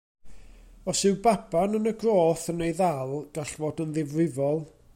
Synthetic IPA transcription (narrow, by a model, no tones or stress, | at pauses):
ɔsɨwbabanənəɡroːθənejðalˠɡ̥aɬvoːdənðɪvrɪvɔlˠ